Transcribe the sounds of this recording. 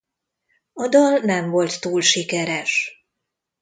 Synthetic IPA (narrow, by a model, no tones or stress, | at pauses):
ɒd̪ɒlnɛɱvo̞lt̪ːuːlʃikɛɾɛʃ